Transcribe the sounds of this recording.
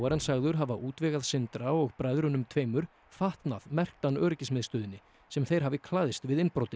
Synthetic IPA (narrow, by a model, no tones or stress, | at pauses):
waɾansaɣðʏɾ̥ɦavaʔuːt̪vɛɣaðsɪnt̪ɾaɔɣpɾajðɾʏnʏmt̪ʰveːjmʏɾ̥ | faht̪naðmɛr̥k̚t̪anːœːɾɪcɪsmɪðst̪ʏːðɪnːɪ | sɛmθejɾ̥ɦavɪkʰlaːðɪst̪vɪðɪnpɾowt̪ɪ